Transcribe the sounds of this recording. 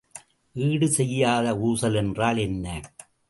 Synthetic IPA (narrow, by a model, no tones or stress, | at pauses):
ʔiːɽɯsɛjːaːðɐuːsɐlɛndraːlɛnːɐ